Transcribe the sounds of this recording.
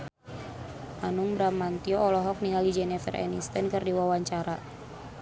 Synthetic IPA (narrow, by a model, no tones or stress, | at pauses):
ʔanuŋbɾamant̪iɔːlɔɦɔk̚niŋalid͡ʒɛnɛfɛ̰rɛ̰nḭst̪ɛnkɨrdiwawaɲt͡ʃaɾa